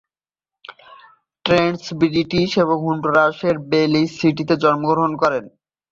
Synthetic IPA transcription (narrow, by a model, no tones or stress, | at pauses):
ʈɾensbiliʈiʃeβoŋɦunɖɾoɾaʃeɾbelisiʈ̬it̪ed͡ʑɔnmoɡɾoɦonkɔɾen